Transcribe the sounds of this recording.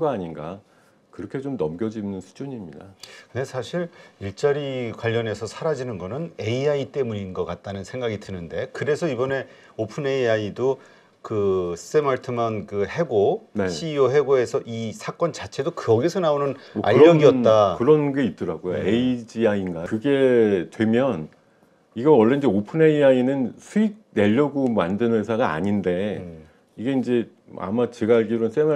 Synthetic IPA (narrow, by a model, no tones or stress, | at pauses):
ɡaːɲinɡa | kɯɾʌkʰe̞t͡ɕomnʌmɡʲjʌd͡ʑinɯnsʰu̥d͡ʑuɲimɲidakɯndesʰaɕʰiɾiɭt͡ɕ͈aɾikwaʎːʌne̞sʰʌsʰaɾad͡ʑinɯnɡʌnɯne̞iait͈e̞muɲinɡʌk͈at̚t͈anɯnsʰeŋɡaɡitɯnɯnde̞kɯɾe̞sʰʌibʌne̞ | opʰɯne̞iaido | kɯsʰs͈emaɭtʰɯmankɯhe̞ɡoneɕʰiːoɦe̞ɡoe̞sʰʌʔisʰak͈ʌnt͡ɕat͡ɕʰe̞dokɯʌɡisʰʌnaonɯnʌa̰ʎɯɾʌːʌɡiʌtt͈akɯɾʌnɡe̞it̚t͈ɯɾaɡojo̰eid͡ʑiainɡakɯɡe̞twe̞mjʌn | iɡʌnwʌɭːe̞ind͡ʑe̞opʰɯne̞iainɯnsʰuik̚ne̞ʎːʌɡomandɯnesʰaɡaa̰ɲinde̞ | iɡe̞ind͡ʑe̞ | a̰mat͡ɕe̞ɡaːɭɡiɾons͈ema